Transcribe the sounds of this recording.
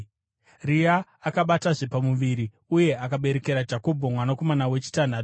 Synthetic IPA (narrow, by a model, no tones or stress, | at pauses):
riaː | kaɓataʐe̞pamuʋiɾi | uje̞akaɓe̞ɾe̞ke̞ɾad͡ʒako̞bʱomwanako̞manawe̞t͡ʃi̥tan̤atu